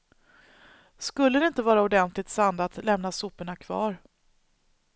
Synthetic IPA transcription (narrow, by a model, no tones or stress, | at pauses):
skɵlːəd̪ɛɪnt̪əvɑːɾaɔd̪ɛnt̪lɪt̪sand̪at̪lɛmnasʊpːəɳakʰvɑ̰ːɾ